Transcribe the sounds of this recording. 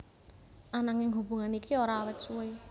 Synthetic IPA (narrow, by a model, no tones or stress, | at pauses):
ʔanaŋɪŋɦubṳŋanikioɾaːwɛt̪sue